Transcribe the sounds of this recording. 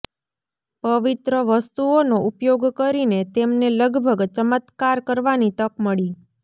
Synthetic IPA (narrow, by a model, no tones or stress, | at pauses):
pəʋit̪ɾəʋəst̪uonoʔupjoɡkəɾinet̪emneləɡbʱəɡt͡ʃəmət̪kaɾkəɾʋanit̪əkməɭi